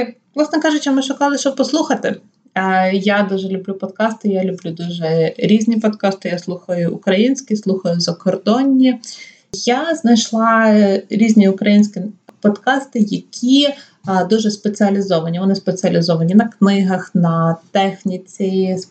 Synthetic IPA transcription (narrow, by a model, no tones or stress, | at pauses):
ʋlˠɑsnɛkɑʒʊt͡ʃɛmɪʃʊkɑlˠɪʃt͡ʃɔb̚pɔslˠuxɐt̪ɪ | jad̪uʒɛlʲʊblʲupɔd̪kɑst̪ɪjalʲʊblʲud̪uʒɛɾʲizʲnʲipɔd̪kɑst̪ɪjaslˠuxɐjʊʔʊkɾɐjinʲsʲkʲislˠuxɐjʊzɐkɔrd̪ɔnʲːi | jaznɐjʃlˠɑɾʲizʲnʲiʊkɾɐjinʲsʲkʲipɔd̪kɑst̪ɪjɐkʲʰi | d̪uʒɛspet͡sʲiɐlʲɪzɔʋɐnʲiʋɔnɪspet͡sʲiɐlʲɪzɔʋɐnʲinɐknɪɦɐxnɐt̪ɛxnʲit͡sʲi